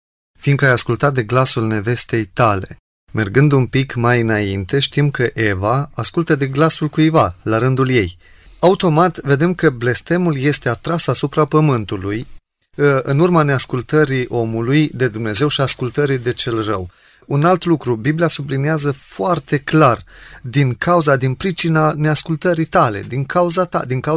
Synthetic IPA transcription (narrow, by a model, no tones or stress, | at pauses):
find̪kajaskult̪at̪̚d̪e̞ɡlasulne̞ve̞st̪e̞jt̪ale̞̰ | me̞rɡɨnd̪unpikmajɨnaint̪e̞ʃt̪imkəʔe̞vaaskult̪əd̪e̞ɡlasulkujvalaɾɨnd̪ulje̞j | aut̪o̞mat̪ve̞d̪e̞mkəble̞st̪e̞mulje̞st̪e̞at̪ɾasasupɾapəmɨnt̪uluj | ɨnurmane̞askult̪əɾiʔo̞mulujd̪e̞d̪umne̞ze̞wʃiaskult̪əɾid̪e̞t͡ʃe̞lrə̰w | unalt̪lukɾubibliasubliniazəfoart̪e̞klard̪iŋkʰauzad̪inpɾit͡ʃinane̞askult̪əɾit̪ale̞̰d̪iŋkʰauzat̪a̰d̪iŋka